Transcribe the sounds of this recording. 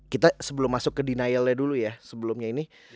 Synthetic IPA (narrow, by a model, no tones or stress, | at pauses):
kit̪asəbəlʊmːasʊkːədinajəlɲadulujasəbəlʊmɲaini